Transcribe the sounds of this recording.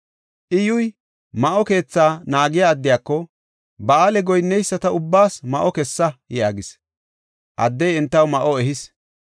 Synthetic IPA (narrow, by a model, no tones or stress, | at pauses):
ʔɪjʊj | mɐʔɔke̞ːt͡sːaːnaːɡɪjaːd̪ːɪjaːkːɔ | bɐaːlɛɡɔjnːɛjsːɐt̪ɐʊbːaːsmɐʔɔkɛsːɐjaːɡɪs | ʔɐd̪ːɛjɛnt̪ːɐwmɐʔɔɛɦɪs